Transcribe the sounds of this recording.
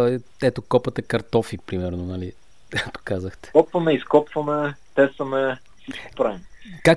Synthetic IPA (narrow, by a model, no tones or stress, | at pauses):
ɛt̪okɔpɐt̪ɛkɐɾt̪ɔfipɾimɛɾnonɐli | kak̚t̪o̥kazəxt̪ɛ̥ɔpvɐmɛiskɔpvɐmɛt̪ɛsəmɛ | fsit͡ʃkpɾavinka